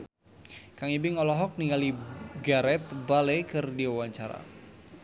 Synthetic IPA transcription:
kaŋibɪŋɔlɔɦɔk̚niŋaliɡaɾɛt̪̚balɛkərdiawaɲt͡ʃaɾa̰

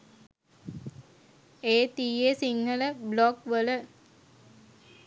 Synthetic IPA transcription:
eːt̪iːesiŋɡələblokʋələ

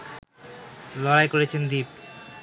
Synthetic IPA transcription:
lɔɾajkoɾet͡ɕʰend̪ip̚

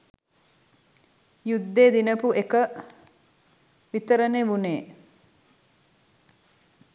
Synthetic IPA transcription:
jud̪ːeːd̪inəpuʔekə | ʋit̪əɾəneʋuneː

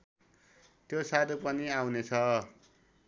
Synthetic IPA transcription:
t̪josad̪opʌniawnet͡sʰʌ

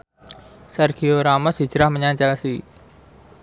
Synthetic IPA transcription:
sɛrɡ̥ioɾamɔsi̥d͡ʒ̥əɾahməɲaɲt͡ʃasi

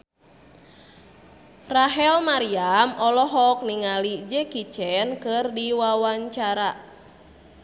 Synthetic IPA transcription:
raɦɛlmaɾiamʔɔlɔɦɔk̚niŋalid͡ʒɛkit͡ʃɛnkɨrdiwawaɲt͡ʃaɾa

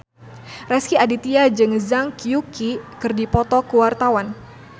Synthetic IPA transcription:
rɛskiadit̪iad͡ʒɨŋzaŋkjukikɨrdipɔt̪ɔkuwart̪awan

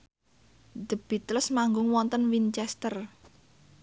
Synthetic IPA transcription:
d̪̥ə̤b̥it̪lʊsmaŋɡʊŋwɔnt̪ənwint͡ʃɛst̪ər

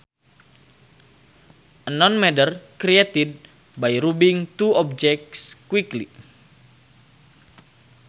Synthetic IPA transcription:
ʔənɔnmɛdərkɾiet̪id̚ | bajɾubiŋt̪uɔp̚d͡ʒɛk̚tskwiklḭ

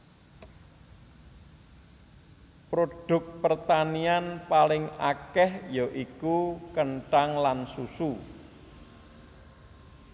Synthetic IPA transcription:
pɾoɖ̥ʊ̤k̚pərt̪anianpalɪŋakɛhjɔʔikukəɳʈaŋlansusu

